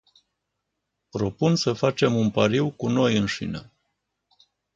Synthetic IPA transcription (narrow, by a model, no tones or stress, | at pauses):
pɾo̞punsəfat͡ʃe̞munpaɾiwkuno̞jɨnʃḭnə̰